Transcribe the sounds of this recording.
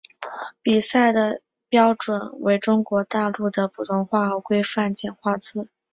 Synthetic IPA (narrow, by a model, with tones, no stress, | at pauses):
pi˨˩sa˥˩ɪd̪ə˩ | pjɑ˥ʊʈ͡ʂwə˨˩˦nwe˧˥ɪʈ͡ʂʊ˥ŋkwɔ˧˥t̪a˥˧lu˥˩d̪ə˩pu˨˩t̪ʊ˥˧ŋxwa˥˩˧kwe˥ɪfa˥˩nt͡ɕjɛ˨˩nxwa˥˩t͡sɹ̩˥